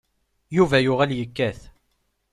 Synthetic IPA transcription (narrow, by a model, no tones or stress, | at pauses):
juvæjʊʁæljəkːæθ